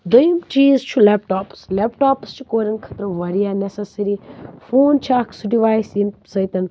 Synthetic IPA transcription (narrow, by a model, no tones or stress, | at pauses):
d̪əjimt͡ʃiːzt͡ʃʰulepʈaːpslepʈaːpst͡ʃʰu̥koːɾʲɐnkʰɐ̥t̪ɾɐʋɐɾijaːnesɐsɐɾifoːnt͡ʃʰaːkʰsuɖiʋaːjsinsɐjt̪ɐn